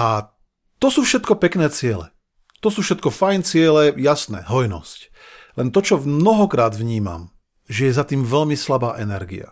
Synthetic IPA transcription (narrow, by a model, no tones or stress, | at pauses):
ʔa | t̪ɔsuːfʃɛt̪kɔpɛknɛːt͡sɪɛlɛ̰ | t̪ɔsuːfʃɛt̪̚kɔfajnt͡sɪɛlɛjasnɛ̰ːɦɔjnɔ̰sc | lɛnt̪ɔt͡ʃɔmnɔɦɔkɾaːd̪vɲiːma̰m | ʒɛjɛzat̪iːmvɛʎmislabaːʔɛnɛɾɡḭa̰